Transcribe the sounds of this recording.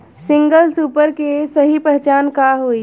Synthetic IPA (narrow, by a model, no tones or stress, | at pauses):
sɪ̃ŋɡəlsuːpəɾkesɐɦipɾɛɦt͡ʃaːnkaɦoːi